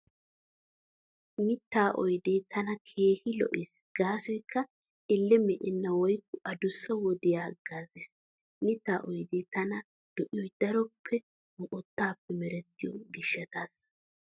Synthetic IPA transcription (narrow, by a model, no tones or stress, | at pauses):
mɪt̪ːaːʔɔjd̪eːt̪ʰɐnɐkʰe̞ːhɪlɔ̰ʔɪs | ɡ̥aːsɔjkʰːɐ | ɪlːɛmɛʔɪnːɐwɔjkːʊʔɐd̪ʊsːɐwɔd̪ɪjaːɡaːzɪs | mɪt̪ːa̰ːʔɔjd̪eːt̪ɐnɐ | d̪̥ɔʔɪjɔjd̪̥ɐɾɔpʰːɛ | mɔʔɔt̪ːaːpːɛmɛɾɛt̪ːɪjɔɡɪʃːɐt̪aːs